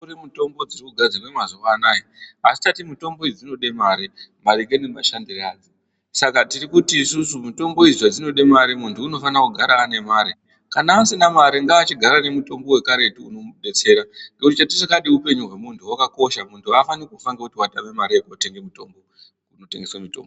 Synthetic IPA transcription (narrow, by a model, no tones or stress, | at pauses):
uremuto̞mbo̞d͡zirikuɡʱad͡zirwemazokanajiasi̥tatimuto̞mbo̞id͡zid͡zino̞ɗe̞maːɾimaɾikenema̰ʃandiraːd͡zi | sakatiɾikutiːsusumuto̞mbo̞iziwad͡zino̞ɗe̞maɾimuntʰuːno̞fanakuɡʱaɾaːne̞maːɾi | kanaasinamaɾiŋɡaːt͡ʃiɡʱaɾane̞muto̞mbo̞we̞kaɾe̞tiuno̞ɗe̞t͡se̞ːɾaŋɡekutit͡ʃatit͡ʃakaɗiupe̞ɲuɦwe̞muntʰuwakako̞ʃamuntʰuafanikufaŋɡekutiwaɗamemaɾiekuate̞ŋɡemito̞mbo̞ | uno̞te̞ŋɡe̞swamito̞̰ːmbo